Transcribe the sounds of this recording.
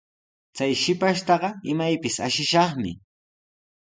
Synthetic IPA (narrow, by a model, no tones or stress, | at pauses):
t͡sajʃɪpaʃt̪ɑɢɑɪmajpɪsa̰ʃɪʃɑχmɪ̰